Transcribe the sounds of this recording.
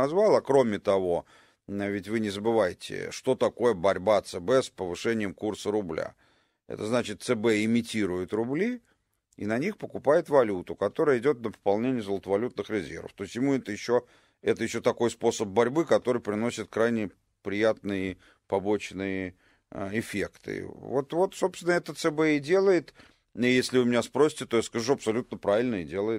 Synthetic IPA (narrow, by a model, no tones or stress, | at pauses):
ɐzvalˠɐkɾo̞mʲɪt̪ɐvo̞ | vʲɪtʲvɨnʲɪzəbɨvajɪtʲɪ̰ʂt̪o̞t̪ɐko̞jəbɐɾʲbat̪sɨbɛspəvɨʂɛnʲɪjəmkursəɾʊblʲa̰ | ɛ̰t̪əznat͡ɕɪt̪̚t̪sɨbɛɪmʲɪtʲiɾʊjɪt̪rʊblʲi | ḭnɐnʲixpəkʊpajɪt̪vɐlʲut̪ʊkɐt̪o̞ɾəjəɪdʲo̞t̪nəpə̥pɐlˠnʲenʲɪjəzəlˠət̪əvɐlʲut̪̚nɨxɾʲɪzʲḛrvə̰ft̪o̞ɪsʲtʲjɪmuɛt̪əjɪɕːo | ɛt̪əjɪɕːo̞t̪ɐko̞jspo̞səb̚bɐɾʲbɨkɐt̪o̞ɾɨjpɾʲɪno̞sʲɪt̪̚kɾajnʲɪ | pɾʲɪjat̪̚nɨjə | pɐbo̞t͡ɕnɨjə | ɪfʲe̞kt̪ɨ̰vo̞t̪vo̞t̪so̞pst̪ʲvʲɪnəɛt̪ət̪sɛbɛɪdʲe̞lˠəjɪt̪ | jesʲlʲɪvɨmʲɪnʲaspɾo̞sʲɪ̥tʲɪt̪o̞jaskɐʐuɐpsɐlʲut̪̚nəpɾavʲɪlʲnəɪdʲe̞lˠəjɪ